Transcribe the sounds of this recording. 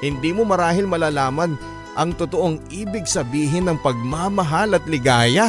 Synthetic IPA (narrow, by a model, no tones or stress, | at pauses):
hɪnd̪iːmo̞mɐɾaːɦɪlmɐlaːlaːmɐn | ʔɐŋt̪ot̪oʔoŋʔiːbɪɡsɐbiːɦɪnːɐŋpɐɡ̚mamɐɦalɐt̪lɪɡaːjɐ